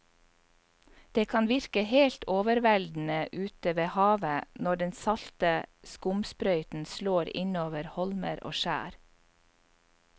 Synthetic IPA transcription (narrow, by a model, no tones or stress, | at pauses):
d̪̥eːkʰɑnʋɪɾkəheːlt̪oːʋəɾʋæld̪n̩əʔʉːt̪əʋeːhɑːʋənɔɖɛnsɑlt̪əskʊmspɾœʏt̪n̩sloːɾɪ̰noːʋəɾhɔlməɾo̰ːʃæ̰ːɾ